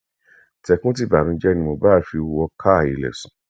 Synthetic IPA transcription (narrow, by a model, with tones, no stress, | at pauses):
tɛ˧kũ˦t̬i˦˨ba˨ɾ̃ũ˧˦d͡ʒɛ˦nĩ˧mo˧ba˦˧fi˧wɔ˧kʰa˦˨ḭ˨lɛ̰˨sũ˨˦